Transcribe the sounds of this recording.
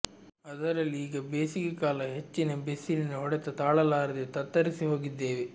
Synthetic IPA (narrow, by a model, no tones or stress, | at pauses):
ɐd̪ɐɾɐlːiiːɡɐbeːsikɐkaːlɐɦet͡ʃːinɐbesilinuɦɔɽɛt̪ɐt̪aːɭɐlaːɾɐd̪et̪ɐt̪ːɐɾisiɦo̞ːɡid̪ːe̞ːʋe